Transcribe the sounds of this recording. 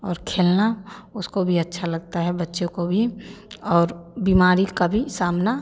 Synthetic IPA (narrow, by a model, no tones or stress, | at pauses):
ɔːɾkʰeːlnaʊskobʱiɐtːʃʰalɐɡ̚t̪aɦɛbɐtːʃõkobʱiɔːɾbimaːɾikabʱisaːmna